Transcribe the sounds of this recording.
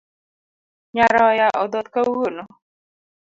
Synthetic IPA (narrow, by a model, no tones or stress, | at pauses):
ɲaɾajaʔɔd̪ɔt̪kauɣonɔ